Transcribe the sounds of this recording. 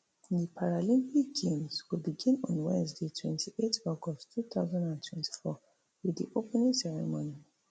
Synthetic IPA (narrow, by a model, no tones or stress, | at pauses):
dipʰaɹalĩnhiɡẽmzwilbiɡĩnɔ̃nwɛ̃nzdetʰwɛ̃ntʰiʔetɔɡɔtʰuθaʊzãndãntʰwɛ̃ntʰi̥fɔ | wɪðḭʔopɛnĩŋsɛɹɛ̰mõni